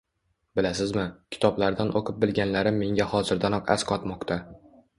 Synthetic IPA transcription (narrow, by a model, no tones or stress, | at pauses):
bɪlasɪzmɪkʲʰɪ̥t̪ʰɒblaɾd̪anʔoqʰɨp̚bɪlɡʲanlaɾɪmːe̞ŋɡʲahɒzɪɾd̪anɒqa̰sqʰɒt̪mɒqt̪ʰa